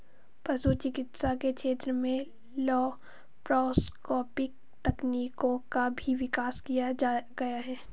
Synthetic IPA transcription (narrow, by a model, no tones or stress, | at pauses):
pɐsut͡ʃɪkɪt̪saket͡ʃʰeːt̪ɾəmẽ | lɔː | pɾɔːskɔːpɪk̚ | t̪ɛkniːkõkabʱiʋɪkaːskijad͡ʒaːɡɐjaɦɛː